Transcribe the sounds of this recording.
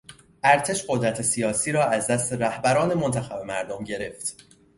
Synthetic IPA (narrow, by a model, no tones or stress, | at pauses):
ʔæɾt̪ʰe̞ʃɢo̞d̪ɾæt̪ʰe̞sijɒːsiːɾɒːæzd̪æst̪eɾæhbæɾɒːne̞mo̞nt̪ʰæxæbe̞mæɾd̪omɟe̞ɾe̞ft̪